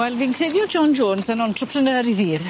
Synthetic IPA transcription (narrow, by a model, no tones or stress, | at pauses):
wɛlvinkʰrɪdjɔd͡ʒɔnd͡ʒoːnsənɔntʰrɔpʰrənəːɾiðiːr